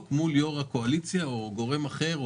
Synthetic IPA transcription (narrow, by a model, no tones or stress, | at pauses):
t̪muljo̞ʁakoalit͡sjaoɡo̞ʁe̞maχe̞ʁ